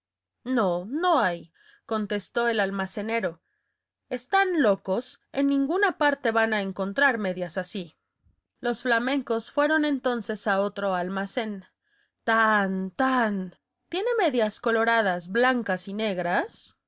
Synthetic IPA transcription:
no̞no̞aj | ko̞nt̪e̞st̪o̞e̞lalmase̞ne̞ɾo̞ | e̞st̪anlo̞ko̞se̞̰nːĩŋɡunapaɾt̪e̞βanae̞ŋko̞nt̪ɾaɾme̞ðjasasi | lo̞sflamẽ̞ŋko̞sfwe̞ɾo̞ne̞nt̪o̞nse̞saot̪ɾo̞almase̞n | t̪ant̪an | t̪je̞ne̞me̞ðjasko̞lo̞ɾað̞azβlaŋkasine̞ɣɾas

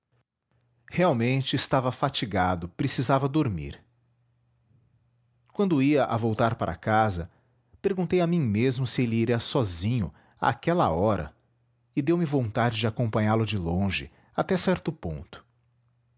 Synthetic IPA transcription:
heawmẽnt͡ʃɪːst̪avɐfat͡ʃiɡad̪ʊpɾesizavɐd̪oɾmḭɾ | kwɐ̃nd̪ʊiɐʔa̰vowt̪aɾpaɾʔɐ̰kazɐ | peɾɡũnt̪ejɐmĩmezmʊsɪelɪiɾɛsɔzĩɲʊ̰ | a̰ːkɛlɐ̰ɔɾɐ̰ | ɪd̪ewmɪvõnt̪ad͡ʒɪd͡ʒɪakõmpɐ̃ɲaɾlʊd͡ʒɪlõʒɪ̰ | at̪ɛsɛɾt̪ʊpõnt̪ʊ̥

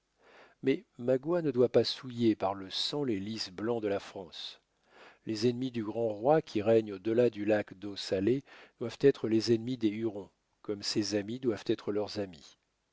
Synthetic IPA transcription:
mɛmaɡwanəd̪wapasujepaʁləsɑ̃lelisblɑ̃d̪əlafχɑ̃s | lezɛnmid̪yɡʁɑ̃ʁwakʲʰiʁɛɲod̪əlad̪ylakd̪osaled̪̥wavt̪ɛt̪χəlezɛnmid̪eyʁɔ̃ | kɔmsezamid̪wav̥t̪ɛt̪χəlœʁzami

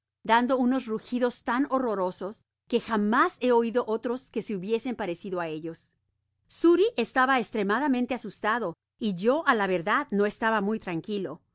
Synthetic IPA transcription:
d̪and̪o̞uno̞zruxiðo̞st̪ano̞ro̞ɾo̞so̞s | ke̞xamase̞o̞iðo̞ʔo̞t̪ɾo̞ske̞seuβje̞se̞mpaɾe̞siðoae̞ʝo̞s | suɾiʔe̞st̪aβaekst̪ɾe̞maðamẽnt̪easust̪aðo̞ | iʝo̞ʔalaβe̞ɾðaðno̞e̞st̪aβamujt̪ɾaŋkilo̞

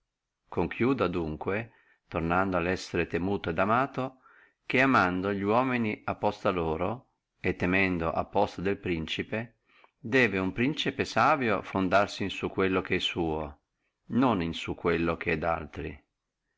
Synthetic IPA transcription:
koŋkʰjuːd̪ad̪uŋkwe | t̪ornand̪oalɛsːeɾet̪emuːt̪oed̪amaːt̪o | k̟eamand̪oʎiwɔːminiapːɔst̪aloːɾo | et̪ːemɛnd̪oʔa̰pːɔst̪ad̪elpɾint͡ʃipe | d̪ɛːveumpɾint͡ʃipesaːvjofond̪arsinsukːwelːok̟eɛsːuːo | noninsukːwelːok̟eɛd̪a̰lt̪ɾḭ

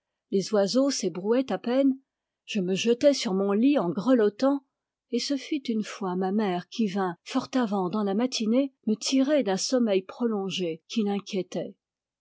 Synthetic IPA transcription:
lezwazosebʁuɛt̪apɛn | ʒ̥əməʒət̪ɛsyʁmɔ̃liɑ̃ɡʁəlɔt̪ɑ̃ | esəfyt̪ynfwamamɛʁkʲivɛ̃fɔʁt̪avɑ̃d̪ɑ̃lamat̪ʰinemət̪ʰiʁed̪ɛ̃sɔmɛjpχɔlɔ̃ʒekʲʰilɛ̃kʲjɛt̪ɛ

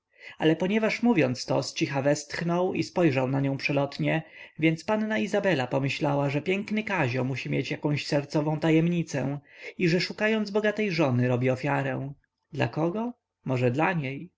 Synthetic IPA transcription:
alɛpɔɲɛvaʂmuvʲjɔnt̪st̪ɔ̰st͡ɕixavɛst̪xnɔwḭspɔjʐawnaɲɔ̃w̃pʂɛlɔt̪ɲɛvʲjɛnt̪spanːaizabɛlapɔmɘɕlawaʐɛpʲjɛŋknɘkaʑɔmuɕimʲjet͡ɕjakɔ̃w̃ɕsɛɾt̪sɔvɔ̃w̃t̪ajɛmɲit̪sɛiʐɛʂukajɔnd̪zbɔɡat̪ɛjʐɔnɘɾɔbʲiɔfʲjaɾɛw̃ | d̪la̰kɔɡɔ | mɔʐɛd̪laɲej

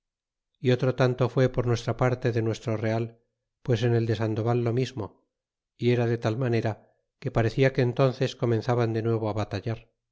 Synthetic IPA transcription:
io̞t̪ɾo̞t̪ant̪o̞fwe̞po̞ɾnwe̞st̪ɾapaɾt̪e̞ðe̞nwe̞st̪ɾo̞re̞al | pwe̞s̬e̞ne̞ld̪e̞sand̪o̞βalːo̞mizmo̞ | ie̞ɾaðe̞t̪almane̞ɾa | ke̞paɾe̞θiakeːnt̪o̞nθe̞sko̞mẽ̞nθaβand̪e̞nwe̞β̞oaβat̪aʝaɾ

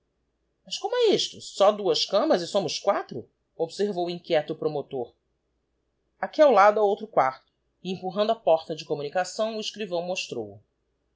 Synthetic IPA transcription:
mɐskõmʊɛiʃt̪ʊsɔd̪uɐskɐ̃mɐzɪsõmʊskwat̪ɾʊ | obseɾvowĩkʲjɛt̪ʊpɾomot̪oɾ | akiawlad̪ʊawowt̪ɾʊkwaɾt̪ʊ̥ | ẽmpuɦɐ̃nd̪ʊapɔɾt̪ɐd͡ʒɪkomunikasɐ̃w̃ʊiʃkɾivɐ̃w̃moʃt̪ɾo̰wʊ

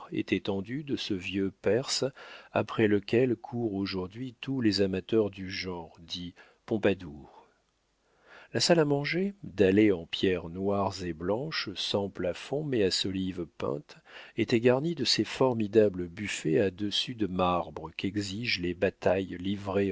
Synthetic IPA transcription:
ḛt̪ɛt̪ɑ̃d̪yd̪əsəvjøpɛʁsa̰pχɛləkʲɛlkʰuʁoʒuʁd̪ɥit̪ʰulezamat̪œʁd̪yʒɑ̃ʁd̪i | pɔ̃pad̪uːʁ | lasalamɑ̃ʒed̪aleɑ̃pjɛʁnwaʁzeblɑ̃ʃsɑ̃plafɔ̃mɛasɔlivpɛ̰̃t̪ | et̪ɛɡaʁnid̪əsefɔʁmid̪abləbyfɛad̪əsyd̪əmaʁbʁəkɛɡziʒlebat̪ajlivʁe

